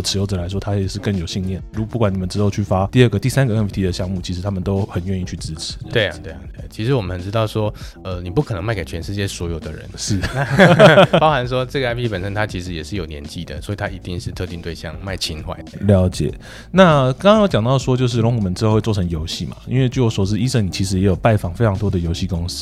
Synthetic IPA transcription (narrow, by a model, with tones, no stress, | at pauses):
ʈ͡ʂ̩ʰ˧˥jo˥ʊʈ͡ʂɤ˨˩la˧˦ɪʂwɔ˥t̪ʰa˥˨˩ʂɻ̩˥˧kə˥˩ŋjo˨˩ʊɕi˥˧ŋljɛ˥˩nɻu˧˥pu˥˩kwa˨˦ni˨˩mə˦nʈ͡ʂɻ̩˥o˥˧ʊt͡ɕʰy˥˩fa˦t̪i˥˧ə˥˩ɡə˩t̪i˥˩sa˥nɡə˨ə˥pt̪ʰi˧˥d̪ə˨ɕjɑ˥˧ŋmu˥˩t͡ɕʰi˧˥ʂɻ̩˧˥t̪ʰa˥mə˨nt̪o˥ʊxə˨˩nɥɛ˥˧ni˥˧t͡ɕʰy˥˩ʈ͡ʂɻ̩˥ʈ͡ʂʰɻ̩̥˨˦˧t̪we˥˧˥t̪we˥˩ɪ˨e˥˩t͡ɕʰi˧˥ʂɻ̩˧˥wɔ˨˩mə˦˧˩nʈ͡ʂɻ̩˥t̪ɑ˥˩ʊʂwɔ˥ | ə˧ni˨˩pu˥kʰɤ˨˩n˧˦ma˥˩ke˨˩t͡ɕʰɥɛ˧˦nʂɻ̩˥˧t͡ɕjɛ˥˩swɔ˧˥jo˨˩ʊd̪ə˦ɻə̰˧˦nʂɻ̩˥˩na˥˧˥pɑ˥ʊxa˧˦nʂwɔ˥ʈ͡ʂɤ˥˩ɡə˨a˥ɪpʰi˥pə˨˩nʂə˦˥nt̪ʰa˥t͡ɕʰi˧˥ʂɻ̩˧˥jɛ˨˩ʂɻ̩˥˩jo˨˩ʊnjɛ̰˧˥nt͡ɕi˥˩d̪ə̰˩swɔ˧˥i˨t̪ʰa˦˥i˧˥t̪i˥˧ŋʂɻ̩˥˧t̪ʰɤ˥˧i˥˧ŋt̪we˥˩ɪɕjɑ̰˥˧ŋma˥˩ɪt͡ɕʰi˥nxwa̰˥˩ɪljɑ˧˥ʊt͡ɕjɛ̰˨˩˦ | na˥˩kɑ˥ŋɑ˥ŋjt͡ɕjɑ˨˩ŋt̪ɑ˥˩ʊ˩ʂwɔ˥t͡ɕjo˥˧ʊʂ̬̩˥˩lo˧˥ŋʰu˨˩mə˧˦nʈ͡ʂɻ̩˥˧wt͡swʈ͡ʂʰɤ˧˥ŋjo˧˥ʊɕi˥˩ma̰˨˩ḭ˥nwe˥˧ɪt͡ɕjo˥˩swɔ˨˩ʂ̩˥i˥ʂə˥˩ŋni˨˩t͡ɕʰi˧˥ʂ̬ɻ̩˧˥jɛ˧˥jo˨˩ʊpa˥˧˩ɪfɑ˨˩ŋfe˥ɪʈ͡ʂʰɑ˧˥ŋt̪wɔ˥d̪ə˨jo˧˥ʊɕi˥˩kʊ˦˥ŋs̩˧˥